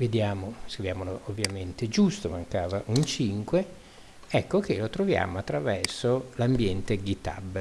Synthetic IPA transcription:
ved̪jaːmoskɾivjaːmoloovːjament̪ed͡ʒust̪omaŋkaːvaʔunt͡ʃiŋkwe | ɛkːokelot̪ɾovja̰ːmoat̪ːɾavɛrsolambjɛnt̪eɡit̪a̰bː

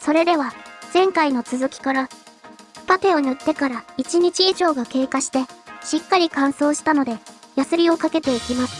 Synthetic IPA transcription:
so̞ɾe̞d̪e̞βaz̥ẽ̞ŋkaino̞t͡sɨzɨkʲi̥kaɾa | pat̪e̞o̞ɲʲɯt̪ːe̞kaɾait͡ɕiɲ̟it͡ɕiiʑo̞ːɡake̞ːkaɕi̥t̪e̞ɕikːaɾʲikãɰ̃so̞ːɕi̥t̪ano̞d̪e̞jasɨɾʲio̞kake̞t̪e̞ikʲimasɨ

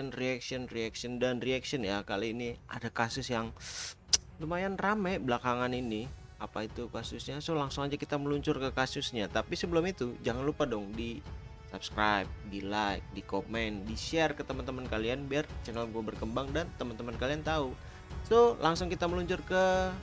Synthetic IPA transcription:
nriaksiɔnriaksiɔndanriaksiɔnjakaliːniʔa̰dakasʊsjaŋ | lumajanramɛbəlakaŋaniniapait̪ukasʊsɲasolaŋsʊŋad͡ʒakit̪aməluɲt͡ʃʊrkəkasʊsɲat̪apisəbəlʊmit̪ud͡ʒaŋanlupadɔŋdi | sap̚skɾajp̚dilajk̚dikomɛndiʃɛrkət̪əmant̪əmankalianbiart͡ʃɛnɛlɡuabərkəmbaŋdant̪əmant̪əmankaliant̪au | solaŋsʊŋkit̪aməluɲt͡ʃʊrkə

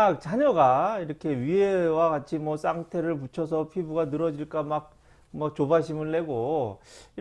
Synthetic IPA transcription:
ak̚t͡ɕaɲʌɡaiɾʌkʰe̞ɥiɦewaɡat͡ɕʰimwʌs͈aŋtʰe̞ɾɯɭput͡ɕʰʌs̬ʰʌpʰibuɡanɯɾʌd͡ʑiɭk͈amak̚ | mʌt͡ɕobaɕʰimɯnːe̞ɡo | i

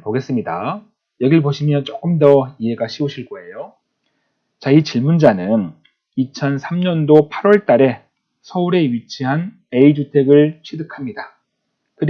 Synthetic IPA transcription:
poɡe̞s͈ɯmɲida | jʌɡiɭpoɕʰimjʌnt͡ɕ͈ok͈ɯmdʌiɦe̞ɡaɕʰiuɕʰiɭk͈ʌe̞jo | t͡ɕait͡ɕiɭmund͡ʑanɯn | it͡ɕʰʌnsʰamɲʌndopʰaɾwʌɭt͈aɾe̞ | sʰʌuɾe̞ɥit͡ɕʰiɦan | e̞id͡ʑutʰe̞ɡɯɭt͡ɕʰidɯkʰamɲida | kɯ

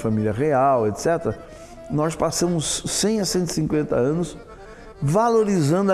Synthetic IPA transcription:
familjɐʁeawet̪sɛt̪ɾɐ | nɔspasɐ̃mʊsːẽj̃ɐsẽnt̪i̥sĩŋkwẽnt̪ɐɐ̃nʊs | valoɾizɐ̃nd̪ʊ

